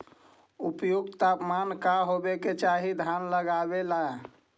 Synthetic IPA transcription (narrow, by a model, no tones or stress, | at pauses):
upjuɡt̪apmankaɦobeket͡ʃaɦid̪ʱjanləɡabelae